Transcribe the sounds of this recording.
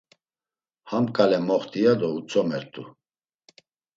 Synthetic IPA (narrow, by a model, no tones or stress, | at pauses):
hamkʼalɛmɔχt̪ʰʼijad̪ɔut͡sʰʼɔmɛɾt̪ʼṵ